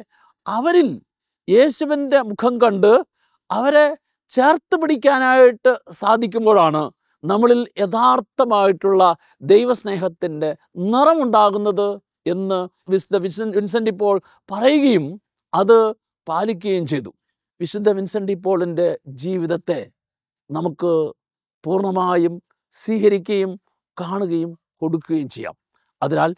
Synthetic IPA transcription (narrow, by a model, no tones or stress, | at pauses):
ɐʋɐɾil | je̞ːɕuʋinde̞mukʰɐmkɐɳɖɨ | ɐʋɐɾe | t͡ɕe̞ːrt̪ːɨpiɽikʲːaːnaːjiʈːɨsaːd̪ʱikʲːumbo̞ːɭaːɳɨ | nɐmːɐɭiljeðaːrt̪ːɐmaːjiʈːuɭːɐ | d̪ejʋɐsne̞ːɦɐt̪ːinde̞ | nirɐmuɳɖaːɣunːɐðɨ | e̞nːɨ | ʋisud̪ʱːɐʋiɕʋins̬ɐɳɖipːo̞ːɭ | pɐrɐjuɣɐjum | ɐðɨ | paːlik̬ʲːuɣɐjumt͡ɕe̞jt̪u | ʋiɕud̪ʱːɐʋinsɐɳɖipːo̞ːɭinde̞d͡ʑiːʋiðɐt̪ːe̞ | nɐmukːɨ | puːrɳɐmaːjum | siːɦɐɾikʲːɐjum | kaːɳuɣɐjum | ko̞ɽukːuɣɐjumt͡ɕejːa̰ːm | ɐðinaːl